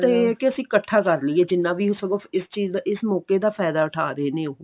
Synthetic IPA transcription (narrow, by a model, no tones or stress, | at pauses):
t̪eːɛːkɪəsĩːkəʈʰːaːkəɾliːɛːd͡ʒɪnːãːbiːɦosəɡoːɪst͡ʃiːzd̪aːʔɪsmɔːkeːd̪aːpʰɛːd̪aːʊʈʰaːɾəeːnẽːo